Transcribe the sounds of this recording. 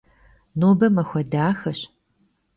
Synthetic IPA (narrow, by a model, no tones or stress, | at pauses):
noːbɐmɐxʷɐdaːxɐɕ